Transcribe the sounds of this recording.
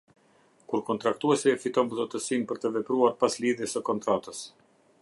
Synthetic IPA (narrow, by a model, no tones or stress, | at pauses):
kuɾkɔnt̪ɾak̚t̪uɛsifit̪ɔnvzɔt̪əsinpəɾt̪əvɛpɾuaɾpasliðjɛsəkɔnt̪ɾat̪əs